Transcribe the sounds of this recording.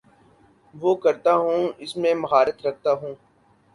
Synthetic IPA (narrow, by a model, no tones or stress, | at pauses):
ʋoːkɐɾt̪aɦũːɪsmẽmɐɦaːɾət̪ɾɐk̚ʰt̪aɦũː